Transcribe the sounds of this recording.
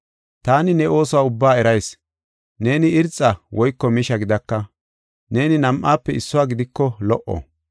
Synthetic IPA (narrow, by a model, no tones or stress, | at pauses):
t̪aːnɪnɛo̞ːsɔwaːʊbːaːɛɾɐjs | ne̞ːnɪɪɾt͡sʼːɐwʔɔjkːɔmɪʃɐɡɪd̪ɐkːɐ | ne̞ːnɪnɐmʔːaːpːɛɪsːʊwaːɡɪd̪ɪkːɔlɔʔɔ̰